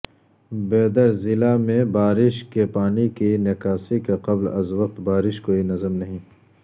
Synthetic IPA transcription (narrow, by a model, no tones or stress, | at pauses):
beːd̪ɐɾzɪlamẽbaːɾɪʃkepaːnikinekaːsikeqɐblɐ̰zʋɐq̚t̪baːɾɪʃkoːinɐzəmnɐɦĩː